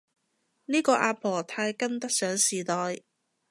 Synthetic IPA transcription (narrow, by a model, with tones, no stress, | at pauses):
niː˥kɔː˧ʔaː˧pʰɔː˨˩t̪ʰaː˧jkɐ˥nt̪ɐ˥k̚sœː˨˥ŋsiː˨˩t̪ɔː˨j